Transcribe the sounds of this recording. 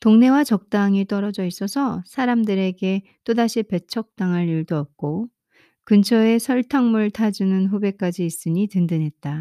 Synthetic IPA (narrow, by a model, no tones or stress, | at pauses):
toŋne̞wat͡ɕʌk̚t͈aŋit͈ʌɾʌd͡ʑʌis͈ʌsʰʌsʰaɾamdɯɾe̞ɡe̞t͈odaɕʰipe̞t͡ɕʰʌk̚t͈aŋɯɾiɭdoʌp̚k͈o | kɯnt͡ɕʰʌe̞sʰʌɭtʰaŋmuɭtʰad͡ʑunɯnɸube̞k͈ad͡ʑiːs͈ɯɲitɯndɯnɦe̞t̚t͈a